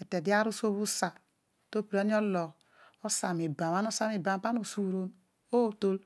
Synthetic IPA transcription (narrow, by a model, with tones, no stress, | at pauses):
ɛ˨te˨di˦a˦ɾu˦so˦βu˦sa˨ | to˦pi˨ɾe˦ni˦o˦lɔ˨k | o˦sa˨mi˨ba˨ma˦n˦o˦sa˦mi˨ba˨m˨pa˦no˨su˦ɾo˦n | o˦˨to˦l